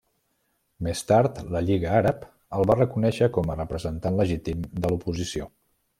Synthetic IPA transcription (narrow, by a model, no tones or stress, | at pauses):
mest̪aɾt̪ləʎiɣəaɾəp | əlˠβarəkunɛʃəkɔmərəpɾəzənt̪anləʒit̪imd̪əlupuzisio